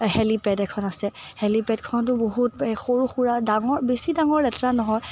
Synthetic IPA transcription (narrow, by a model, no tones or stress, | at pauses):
hɛlipɛdɛkʰɔnasɛ | hɛlipɛdkʰɔntʊboɦut̚xoɹuxuɹadaŋɔɹbesidaŋɔɹɛtɹanɔɦɔj